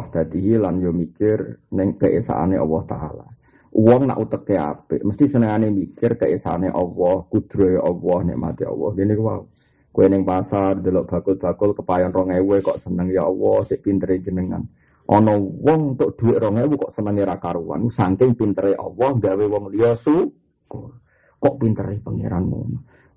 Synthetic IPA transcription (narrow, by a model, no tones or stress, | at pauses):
hd̪̥a̤d̪iɦilanjomikɪrnɪŋkəʔesa̰ʔa̰neʔɔ̰wɔht̪a̰la̰ | wɔŋna̰ʔut̪əkːea̰pɪ̰ʔməst̪isənəŋanemikɪrkəʔesa̰aneʔɔwɔhkud̪̥ɾoʔɔwɔhnḛʔma̰t̪iɔ̰wɔ̰hɡinikwa̰u | kowenɪŋpasard̪ə̤lɔʔb̥a̤kʊlb̥a̤kʊlkəpajɔnrɔŋewekɔʔsənəŋijɔɔwɔhsɪʔpint̪əɾed͡ʒənəŋa̰n | ʔɔnɔwɔŋt̪oʔd̪̥uɪʔɾɔŋewukɔʔsənəŋeɾakaɾuwa̰nsaŋkɪŋpint̪əɾeʔɔwɔhŋɡawewɔŋliɔsu | ko | kɔʔpint̪əɾɪhpəŋḛɾa̰nṵm